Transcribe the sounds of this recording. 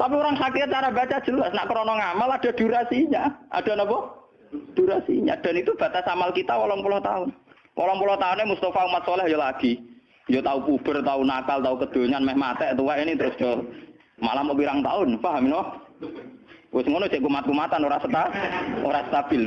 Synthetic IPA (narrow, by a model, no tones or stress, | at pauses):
t̪apioɾaŋsakiat̪̚t͡ʃaɾabat͡ʃḁd͡ʒ̥əlasna̰ʔkəɾɔnɔŋamalad̥a̤d̥̪ṳɾasiɲaʔa̰ɖ̥a̤nabɔ | d̪̥uɾasḭɲa̰d̪̥a̤nit̪ub̥at̪asamalkit̪awɔlɔnpulɔht̪aʊn | wʔɔlɔŋpulɔht̪aʊnemust̪afaumat̪sɔlɛɦjɔlaɡ̥i | ɲd͡ʒot̪aupub̥ərt̪aunakalt̪aukəd̪̥o̤ɲanmɛhmat̪ɛʔt̪uwaʔinit̪əɾʊsd̥d͡ʒ̥ɔ | ma̰lamɔʔpiɾaŋt̪a̰ʊnfaɦaminɔ | wɪsŋonoseʔkumat̪̚kumat̪anoɾasət̪ao̰ɾasə̥t̪ab̥ɪl